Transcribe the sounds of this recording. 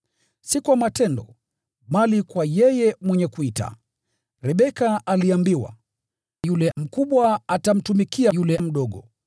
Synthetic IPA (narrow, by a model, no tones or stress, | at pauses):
sikuamatɛndɔ | malikwajɛjɛmwɛɲɛkuita̰ | ɾɛɓɛkaʔaliambiwa̰ | julɛm̩kuɓwaatam̩tumikiajulɛm̩ɗɔɠɔ